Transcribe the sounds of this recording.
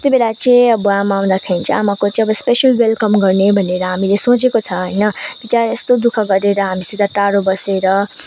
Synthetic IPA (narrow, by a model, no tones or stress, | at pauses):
et̪ibelat͡sĩĩʌbʌamaaw̃d̪akʰaint͡sʰʌa̰makot͡sʌĩʌbʌspesʌlwelkʌmɡʌrnebʱʌneɾʌɦamilesõt͡sekot͡sʰʌɦəjnʌb̥it͡saɾest̪od̪ukʰʌɡʌɾeɾʌɦamisid̪at̪aɾobʌseɾʌ